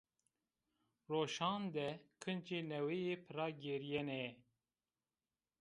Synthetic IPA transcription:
roːʃɑːnd̪ɛkʰɨnt͡ʃeːnɛwejeːpʰɨɾɑːɡeɾijɛnɛ

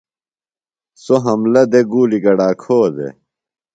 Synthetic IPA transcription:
soɦɐmlɐd̪eɡuːliɡɐɽaːkʰoːd̪ḛ

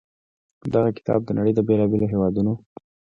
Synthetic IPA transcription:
d̪aɣakɪ̥t̪ʰɑ̰b̚d̪ənaɽəjd̪əbelɑbeloɦewɑd̪uno

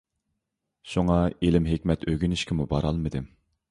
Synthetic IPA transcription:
ʃuŋɑelɪmɦɪkʲmɛt̪ʰøɡʲynɪʃkʲɪmubɑɾɑlˠmɨd̪ɪm

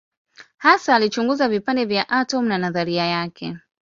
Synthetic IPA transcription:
hasaːlit͡ʃuŋɡuzavipandɛvjaʔatɔm̩nanaðaɾiajakɛ

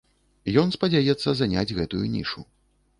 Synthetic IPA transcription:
jɔnspɐd͡zʲajɛt̪sːɐzanʲad͡zʲɣɛt̪ujunʲḭʂu

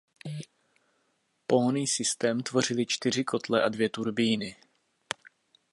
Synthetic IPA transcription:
po̞ɦoniːsɪst̪ɛːmt̪vo̞r̝ɪlɪt͡ʃt̪ɪr̝ɪkʰo̞t̪lɛʔadvjɛt̪uɾbiːnɪ

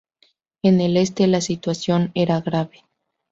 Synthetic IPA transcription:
enele̞st̪e̞lasit̪wasjo̞ne̞ɾaɣɾaβe

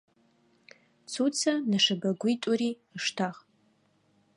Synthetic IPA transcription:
t͡sʰut͡sʰanaʂabɐɡʷitʼuɾi | ʂtʰaχ

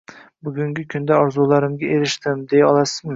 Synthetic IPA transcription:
bʊɡʲʊŋɡʲɪkʲʰʊnd̪aɒɾzulˠaɾɪmɡʲaʔeɾɪʃt̪ɪmd̪ejaɒlˠasɪ

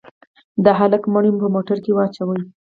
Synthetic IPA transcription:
d̪əɦaləkmaɳjumpəmoʈaɾkewɑt͡ʃawəj

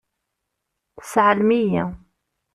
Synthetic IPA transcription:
θəsʕəlmijæ

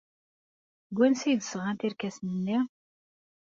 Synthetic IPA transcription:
ɡʷænsid̪sʁɑnt̪iɾkæsnənːi

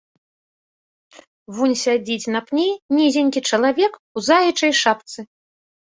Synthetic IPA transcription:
vunʲsʲad͡zʲit͡sʲnɐpnʲinʲizʲinʲkʲit͡ʂɐlˠavʲɛkuzajʲit͡ʂɐjʂapt̪sɨ

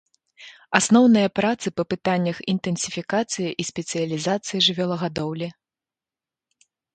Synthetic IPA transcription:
asnɔwnɨjɐpɾat̪sɨpɐpɨt̪anʲːɐxint̪ɨnsʲi̥fʲikat̪sɨjiʔisʲpʲɛt̪sɨjɐlʲizat̪sɨjiʐɨvʲɛlˠɐɣad̪ɔwlʲi

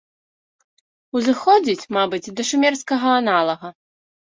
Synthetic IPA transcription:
uzɨxɔd͡zʲit͡sʲmabɨt͡sʲd̪ɐʂumʲɛrskɐɣɐanalˠɐɣɐ

